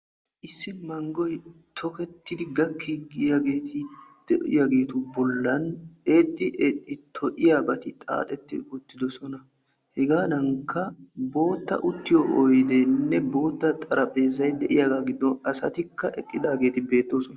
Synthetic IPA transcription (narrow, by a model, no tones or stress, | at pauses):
ʔɪsːɪmɐŋɡɔj | t̪ʰɔkɛt̪ːɪd̪ɪɡɐkʰːiɡɪjaɡe̞ːt̪ʰɪd̪̥ɛʔɪ̰jaɡe̞ːt̪ʊbɔlːɐneːt̪ʼːɪʔeːt̪ʼːɪt̪ʰɔʔɪjaːbɐt̪ɪt̪ʼa̰ːt̪ʼɛt̪ːɪʊt̪ːɪd̪ɔsɔnɐ | hɛɡaːd̪ɐŋkʰːɐbo̞ːt̪ːɐ̰ʔʊt̪ːɪjɔʔɔjd̪ɛnːɛbo̞ːt̪ːɐt̪ʼɐɾɐpʼe̞ːzɐjd̪ɛʔɪjaɡaːɡɪd̪ːɔnɐsɐt̪ɪkːɐʔɛkʼːɪd̪aːɡe̞ːt̪ɪbe̞ːt̪ːoːsɔnɐ